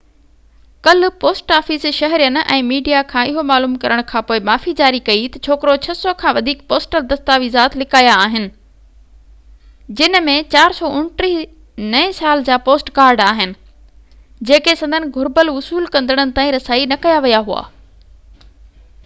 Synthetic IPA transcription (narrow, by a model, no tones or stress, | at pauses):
kɐlʊ̆poːsʈaːfisʃɐɦɾijənɪ̆ʔɛ̰̃ːmiːɖijakʰãːɪɦomaːluːmkɐɾəɽ̃kʰãːpoːɪmaːfid͡ʑaːɾikɐit̪ɐt͡ɕʰoːkɪɾot͡ɕʰɐsɔkʰãːʋɐd̪ʱiːkpoːsʈəld̪ɐst̪aːʋizaːt̪ʰlɪkaːjaːɦɪnɪ̆ | d͡ʑɪnmẽt͡ɕaːɾsɔːʔʊɳʈɾi | nɐẽsaːld͡ʑaːpoːsʈkaːɾɖaːɦɪnɪ̆ | d͡ʑeːkesɐ̃nd̪ʱənɪ̆ɡʱʊɾbəlʊsuːlkɐ̃nd̪əɽ̃ənɪ̆t̪ãːĩɾɐsaːinɐkɐjaʋijaɦua̰ː